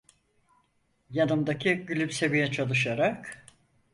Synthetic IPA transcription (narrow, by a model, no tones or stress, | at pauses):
janɯmd̪acʰiɟylʲypse̞vijɛt͡ʃʰalˠɯʃaɾak